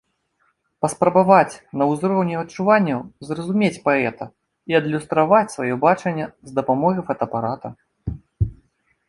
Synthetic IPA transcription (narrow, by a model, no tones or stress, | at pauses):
pɐspɾɐbavat͡sʲnɐwzɾɔwnʲɛɐt͡ʂuvanʲːɐwzrɐzumʲet͡sʲpaɛt̪ɐ | iɐd̪lʲust̪ɾavat͡sʲsvajɔbat͡ʂɐnʲːɐzd̪ɐpamɔɣifɐt̪ɐpaɾat̪ɐ